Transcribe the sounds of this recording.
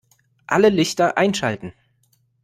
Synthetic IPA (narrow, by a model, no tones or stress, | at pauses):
ʔaləlɪçtɐʔaɪnʃa̰ltn̩